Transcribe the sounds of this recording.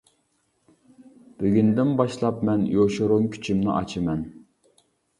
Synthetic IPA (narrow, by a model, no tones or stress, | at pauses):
b̥yɡʲynd̪ɪnbɑʃlˠɑpmɛnjoʃoɾʊŋkʲʰy̥t͡ʃʰimnɪ̰ʔɑ̰t͡ʃʰɨmɛn